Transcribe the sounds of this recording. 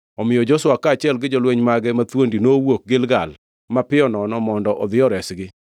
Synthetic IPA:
ɔmɪjɔd͡ʒɔswakːaːt͡ʃɪɛlɡɪd͡ʒolweɲmaɡɛmat̪wondinoːwok̚ɡɪlɡal | mapɪɔnɔnɔmɔndɔʔɔd̪ɪjɔɾɛsɡɪ

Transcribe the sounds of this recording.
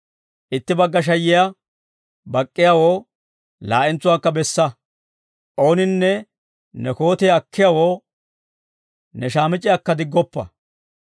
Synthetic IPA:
ʔɪt̪ːɪbɐɡːɐʃ̬ɐjɪja | bɐkʼːɪjawoː | la̰ːʔɪnt͡sːʊwaːkːɐbɛsːɐ | ʔo̞ːnɪnːɛ | nɛko̞ːt̪ɛːɐkʰːɪjawoː | nɛʃaːmɪt͡ʃʼːɪjɐkːɐd̪ɪɡːɔpːɐ̰

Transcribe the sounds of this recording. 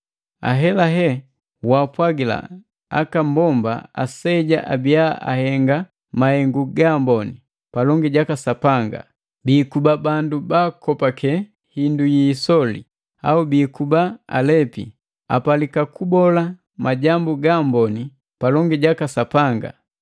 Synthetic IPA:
a̰ɦɛlaɦɛ | waːpwaɡila̰ | a̰kambɔmba̰a̰sɛɟa̰ʔabiaʔa̰hɛŋɡa | mahɛŋɡuɡambɔni | palɔŋɡiɟakasapaŋɡa̰ | biːkubabandubaːkɔpakɛ | hindujisɔlḭ | a̰ubiːkubaa̰lɛpḭ | a̰palikakubɔla | maɟambuɡambɔni | palɔŋɡiɟakasapaŋɡa̰

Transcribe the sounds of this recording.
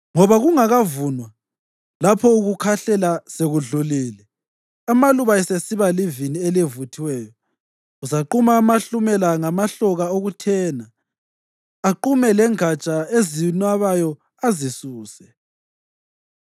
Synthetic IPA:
ŋɔβaɣuŋaɣavunwa | lapʰɔuɣukʰaɬɛlaseɣuɮuliːlɛ | amaluβaɛsesiβalivinielevutʰiwɛːjɔ | uzaǃumaːmaɬumɛlaŋamaɬɔɣaoɣutʰɛːna | ǃumɛlɛŋat͡ʃʼaezinwaβajɔ | azisuːsɛ

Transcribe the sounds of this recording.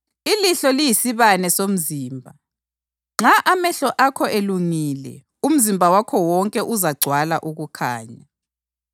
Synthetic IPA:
iliɬɔlijisiβanɛsom̩ziːmbʱa | ŋ͡ǁaʔamɛɬɔʔakʰɔʔeluŋiːlɛ̰ | um̩zimbʱawakʰɔwɔŋkʼɛʔuzaɡ͡ǀʱwala̰ʔuɣukʰa̰ːɲa

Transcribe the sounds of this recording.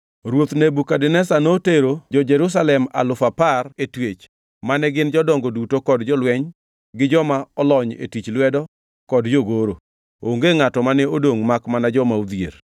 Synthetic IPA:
ɾwot̪nebukadɛnɛsanoteɾod͡ʒɔd͡ʒɛɾus̬alɛma̰lʊfaparetwet͡ʃ | manɛɡɪnd͡ʒɔdɔŋɡodutokɔdd͡ʒɔlwɛɲ | ɡɪd͡ʒɔmaɔlɔɲḛtit͡ʃlwɛdɔ | kɔdd͡ʒoɡoɾo | oŋɡeŋatɔmanɛodoŋmakmanad͡ʒɔmaud̪jḛɾ

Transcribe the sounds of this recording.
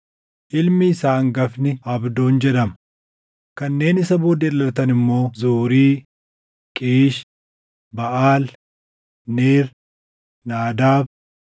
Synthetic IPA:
ʔɪlmɪːsaːŋɡɐfnɪɐbd̪oːnd͡ʒɛd̪ɐm | kɐnːe̞ːnɪsɐboːd̪eːlɐlɐt̪ɐnɪmːo̞ːzuːɾiː | kʼiːʃ | bɐʔaːl | neːɾ | naːd̪aːb

